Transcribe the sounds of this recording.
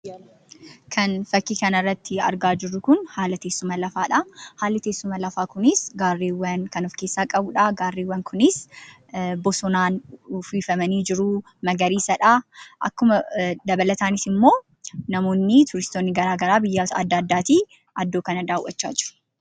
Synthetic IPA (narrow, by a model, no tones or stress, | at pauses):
kʰɐnfɐkːiːkɐnɐrːɐt̪ːɪɐ̰ɾɡaːd͡ʒɪɾːʊkʊnhaːlɐt̪e̞ːsːʊmɐlɐfaːᶑɐhaːlːɪt̪eːsːʊmɐlɐfaːkʊnɪsɡaːrːeːwːɐnkɐnɔfke̞ːsːaːkʼɐbʊᶑɐɡaːrːeːwːɐŋkʰʊnɪs | bɔsɔnaːnʊfiːfɐmɐniːd͡ʒɪɾʊ | mɐɡɐɾiːsɐᶑɐʔɐ̰kːʊmɐd̪ɐbɐlɐt̪aːnɪsɪmːo̞ː | nɐmo̞ːnːɪt̪ʊɾɪst̪o̞ːnːɪɡɐɾaːɡɐɾaːbɪjːaɐ̰d̪ːaːd̪ːaːt̪iː | ʔɐd̪ːo̞ːkɐnɐd̪aːwʔɐt͡ʃːa̰ːd͡ʒɪɾʊ̥